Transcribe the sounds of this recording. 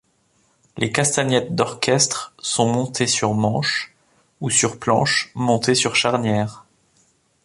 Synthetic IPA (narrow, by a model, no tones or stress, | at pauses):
lʔekast̪anjɛt̪̚d̪ɔʁkʲɛst̪χsɔ̃mɔ̃t̪ʰesyʁmɑ̃ʃ | usyʁplɑ̃ʃmɔ̃t̪esyʁʃaʁnjɛːʁ